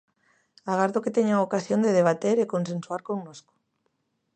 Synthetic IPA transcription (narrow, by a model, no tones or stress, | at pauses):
aɣaɾðoket̪eɲaokasjond̪eðeβat̪eɾekonsẽnsuaɾkoŋnosko̥